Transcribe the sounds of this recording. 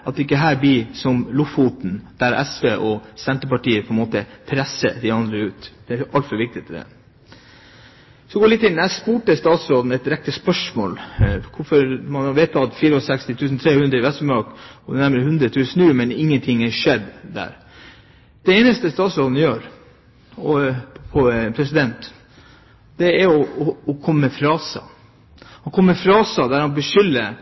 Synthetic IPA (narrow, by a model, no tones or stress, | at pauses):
ɑt̪ːɪkːəɦæːɾb̪ɪsɔmlʊfut̪n̩d̪̥æɾʔɛ̰sʋeːʔɔsɛnt̪əpɑʈiːəpʰɔɛnmoːt̪əpʰɾɛsːə̰d̪ɪɑnd̪ɾəʉːt̪d̪̥ɛæɾʔɑlt̪fɔʋɪk̚t̪ɪt̪ʰd̪ɛ̰ | sɔdɛɡoːlɪt̪ːɪnːæspuːʈəst̪ɑːt̪sɾoːd̪n̩ɛt̪ɾɛk̚t̪əspœʂmo̰ːlkʰʊfɔɾmɑnʋeɪt̪ːɑt̪fiːɾəɔsɛkst̪ɪt̪ʰʉːsn̩t̪ʰɾeːhʉnd̪ɾəɪʋɛst̪ɔmɑkɔd̪ɛnæɾməɾəɦʉnd̪ɾət̪ʰʉːsən̩ʉːmɛnɪŋːənt̪ʰɪŋːɛʂɛd̪d̪æ̰ːɾ | d̪̥ɛeːnəst̪əst̪ɑːt̪sɾoːd̪n̩jøːɾ | ɔpʰɔpʰɾɛsɪd̪ɛnt̪ | d̪̥ɛɛɾɔːkʰɔmːəːmɛfɾɑːsɑ̰ | hɑnkʰɔmːmɛfɾɑːsɑd̪æɾhɑnbəʂʏlːə